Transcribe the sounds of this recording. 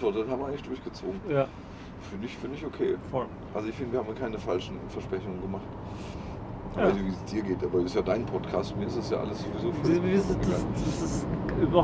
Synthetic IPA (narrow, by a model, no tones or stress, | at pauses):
v̥ɔɐtənhabmɐʔaɪŋlɪçdʊɐçɡ̥ət͡soːɡŋ̩ja | fyːɐnɪçfɪɐnɪçokʰeːfɔl | ʔalzoɪçfɪndəviːhaːmjːɐkʰaɪnəfalʃn̩fɛɐʃpʁ̥ɛçʊŋənɡəmaχt | aɪsçviːsd̥iːɐɡeːtʔaːbɐɪstjaːdaɪnpʰɔtkʰaːstfnmiːɐɪstasja̰ːʔa̰ləsz̥ovizoːfviɐzɪnadɐsɪsɪmɐ